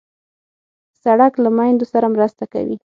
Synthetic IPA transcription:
saɽaklamajnd̪osaɾamɾəst̪aka̰wḭ

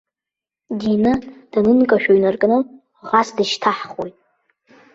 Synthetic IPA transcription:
dinɨd̥anɨnkʼaʃᶣoɥnarkʼnɨ | ʁasdɨʃtʰaħχo̰jtʼ

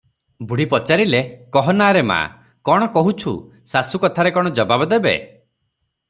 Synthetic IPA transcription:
buɽipɔt͡ʃaɾilekɔɦɔnaɾema̰ | kɔɽ̃ɔkɔɦut͡ʃʰṵ | sasukɔt̪ʰaɾekɔɽ̃ɔd͡ʒɔbabɔd̪ebḛ

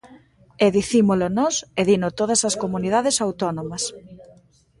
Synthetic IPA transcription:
eðiθimolʊnɔseðinʊt̪oðɐsɐskomunið̞aðɪsawt̪ɔnomɐs

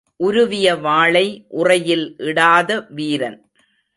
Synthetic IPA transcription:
ʔʊɾʊʋɪjɐʋaːɭɐɪʔʊrɐjɪlʔɪɽaːðɐʋiːɾɐn

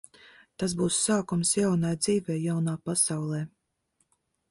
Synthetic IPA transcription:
t̪asbuːsːaːkumsjawnajd̪ziːvɛːjawnaːpasawlˠɛː

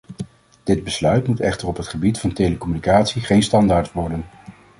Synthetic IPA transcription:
d̥ɪd̚bəslœɥtmutɛχtərɔpɦətχəbitfɑntejləkɔmynikaːtsiχejnstɑndaːɹtʋɔɹdən

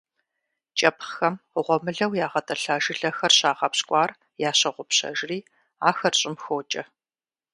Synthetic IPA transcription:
t͡ʃʼɐpxɐmʊʁʷɔmɨɮɐwjaːʁɐtʼɐɬaːʒɪɮɐxɐrɕaːʁɐpɕkʷʼɑːr | jaːɕɐʁʷʊpɕɐ̰ʒriː | aːxɐrɕʼɪmxoːt͡ʃʼɐ

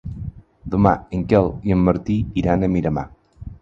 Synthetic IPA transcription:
d̪uma̰əŋkɛlˠiəmːəɾt̪iiɾanəmiɾəma̰

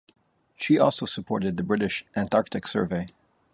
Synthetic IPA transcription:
ʃiʔɔlˠsoʊsəpʰɔɹɾɨd̪̚ðɨbɹɪɾɨʃʔæ̃ntɑɹk̚tɨksɜ̰˞veɪ

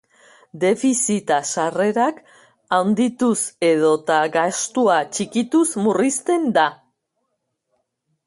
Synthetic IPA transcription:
d̪e̞fisit̪asare̞ɾak | awnd̪it̪use̞ð̞o̞t̪aɡast̪uat͡ʃikit̪usmurist̪e̞nd̪a

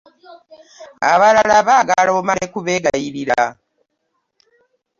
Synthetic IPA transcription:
a̰βalalaβaːɡaloːmaɾekuβeɡajiɾiɾa

